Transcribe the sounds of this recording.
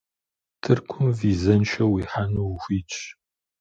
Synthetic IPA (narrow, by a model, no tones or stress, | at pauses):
tʰɨrkʷʰʊmviːzɐnʃɐwiːħanuwxʷiːt͡ʃʼ